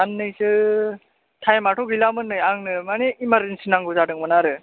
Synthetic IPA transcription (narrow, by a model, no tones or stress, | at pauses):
anːɯjsɯ | tʰajmaʈʰɔɡilamɯnːɯjaŋnɯmaneimaɾɯnsɯnaŋɡɯzadɯŋmɯnaɾɯ